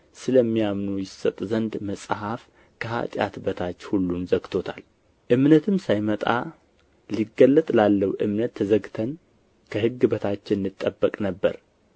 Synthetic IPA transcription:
sɨləmːijamnojɪsət̪ʼzənd̪məsʼhaf | kʰəha̰t̪ʼja̰t̪bət̪ʰat͡ʃːhulːunzəɡt̪ʰo̞t̪ʰal | ʔɨmnət̪ʰɨmsajmət̪ʼa̰ | liɡəlːət̪ʼlalːəwʔɨmnət̪ʰːəzəɡt̪ʰən | kʰəɦɨɡːɨbət̪ʰat͡ʃːɪnːɨt̪ʼːəbːəkʼnəbːə̰ɾ

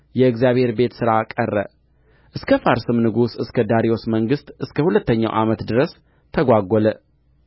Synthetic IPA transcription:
jɛɨɡzjaβhe̞ɾbe̞t̪sɨɾakʼərːə̰ | ʔɨskʰəfaɾsɨmnɨɡusɨskʰəd̪aɾio̞sməŋɡɨst̪ʼʔɨskʰəhulət̪ːəɲːa̰wʔa̰mət̪d̪ɨɾəs | t̪ʰəɡʷaɡʷːɔlə

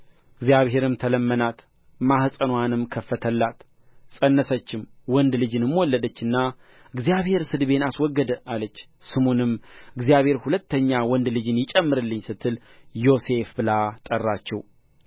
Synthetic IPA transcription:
ʔɨɡzijaβhɦe̞ɾɨmt̪ʰələmːənat̪ | mahsʼənwanɨmkʰəfːət̪ʰəlːat̪ | sʼənːəsət͡ʃːɪmwɔnd̪lɨd͡ʒɨnɨmːwɔlːəd̪ət͡ʃːɨnːa | ɨɡzijaβhe̞ɾsɨd̪be̞naswɔɡːəd̪əʔalət͡ʃː | sɨmonɨmɨɡzijaβhe̞ɾhulət̪ʰːəɲːawɔnd̪lɨd͡ʒɨnjɪt͡ʃʼɛmːɨɾɨlːɨɲːsɨt̪ʰːɨl | jo̞se̞fbɨlat̪ʼərːat͡ʃːɛw

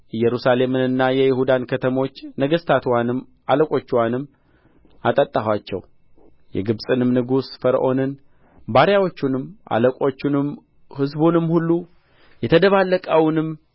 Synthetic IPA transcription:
jɛɾusale̞mɨnɨnːajɛjɪhud̪ankʰət̪ʰəmo̞t͡ʃːnəɡəst̪ʰat̪ʰwanɨm | ʔaləkʼo̞t͡ʃːwanɨmː | ʔat̪ʼət̪ʼːahwat͡ʃːɛ̰w | jɛ̰ɡɨβsʼɨnɨmnɨɡusfəɾ̰ʔo̞nɨn | baɾjawo̞t͡ʃːunɨmʔa̰ləkʼo̞t͡ʃːunɨm | hɨzbunɨmhulːu | jɛt̪ʰəd̪əβalːəkʼəwnɨm

